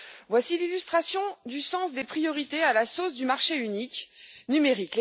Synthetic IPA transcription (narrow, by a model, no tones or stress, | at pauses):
vwasililyst̪χasjɔ̃d̪ysɑ̃sd̪epχijɔʁit̪ealasosd̪ymaʁʃeyniknymeʁikle